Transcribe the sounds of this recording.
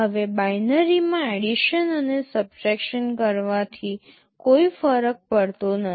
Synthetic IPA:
ɦəʋebajnəɾimãeɽiʃənənesəb̚d͡ʒɛkʃənkəɾʋat̪ʰi | koifəɾək̚pəɽt̪onə

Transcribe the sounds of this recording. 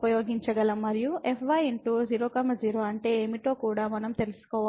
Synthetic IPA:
pɐjoːɡiɲt͡ʃɐɡɐlɐmːɐɾijuʔepʰʋɐjeɳʈuːziːɾoːkɐmɐd͡ʒiːɾoːɐɳʈe̞ːeːmiʈoːkuːɽaːmɐnɐmt̪e̞lusu̥kɔːʋ

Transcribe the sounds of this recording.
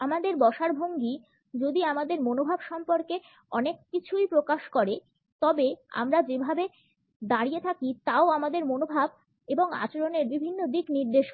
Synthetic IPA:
amad̪eɾbɔʃaɾbʱoŋɡi | d͡ʑod̪iamad̪eɾmonobʱabʃɔmpoɾke | ɔnekːit͡ɕʰujpɾokaʃkɔɾe | t̪ɔbea̰mɾad͡ʑebʱabe | d̪aɾijet̪ʰakit̪aoamad̪eɾmonobʱab | eboŋa̰t͡ɕaɾoneɾbibʱinːod̪ikniɾd̪eʃ

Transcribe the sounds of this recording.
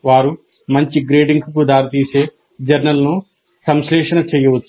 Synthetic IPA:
ʋaːɾu | mɐɲt͡ʃiɡɾeːɖiŋɡkud̪aːɾɐt̪iːse̞ː | d͡ʒɐɾnɐlnu | sɐmsɾɛːʂɐnɐt͡ʃeːjɐʋut̪ː

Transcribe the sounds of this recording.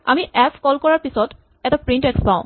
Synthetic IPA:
amiʔɛpʰkɔlkɔɹaɹpisɔt | ɛʈapɹiɳʈɛkspãʊ̃

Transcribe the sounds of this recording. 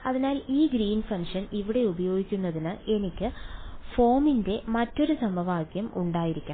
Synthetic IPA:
ɐðinaːliːɡɾiːnfɐŋʂɐniʋiɽe̞ubɐjo̞ːɡikʲːunːɐðinɨe̞nikʲːɨfo̞ːminde̞mɐtːo̞ɾusɐmɐʋaːɡjɐmuɳɖaːjiɾikʲːaːm

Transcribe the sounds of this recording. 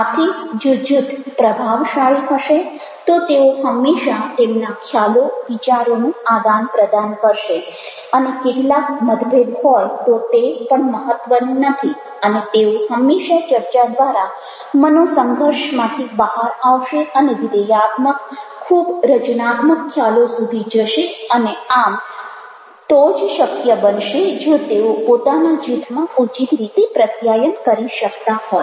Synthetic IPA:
at̪ʰid͡ʒod͡ʒut̪pɾəbʱaʋʃaɭiɦəʃe | t̪ot̪eoɦəmːeʃat̪emnakʰjaloʋit͡ʃaɾonuad̪anpɾəd̪ankəɾʃe | ənekeʈlakməd̪bʱebɦɔjt̪ot̪epəɳməɦət̪ʋənunət̪ʰi | ənet̪eoɦəmːeʃat͡ʃəɾt͡ʃad̪ʋaɾa | mənosəŋɡʱəɾʃmãt̪ʰibəɦaɾaʋʃeəneʋid̪əjat̪məkʰːubɾət͡ʃnat̪məkʰːjalosud̪ʱid͡ʒəʃeəneam | t̪od͡ʒʃəkjəbənʃed͡ʒot̪eopot̪anad͡ʒit̪ʰmãut͡ʃit̪ɾit̪epɾət̪jajənkəɾiʃəkt̪aɦɔj

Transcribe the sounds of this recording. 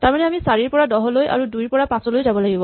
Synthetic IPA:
taɹmanɛamisaɹiɹpɔɹadɔɦɔlojʔa̰ɹudujɹpɔɹapãsɔlojzabɔlaɡibɔ

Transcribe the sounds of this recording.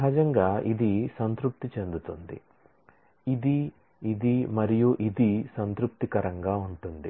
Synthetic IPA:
ɐɦɐd͡ʒɐŋɡaːʔid̪isɐnt̪ɾup̚t̪it͡ʃe̞nd̪ut̪und̪ḭ | id̪i | id̪imɐɾijuʔid̪isɐnt̪ɾup̚t̪ikɐɾɐŋɡaːuɳʈund̪i

